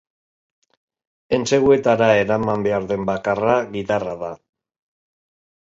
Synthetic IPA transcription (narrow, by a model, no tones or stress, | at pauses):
e̞nt͡se̞ɣue̞t̪aɾae̞ɾamambe̞aɾðe̞mbakaraɣit̪araða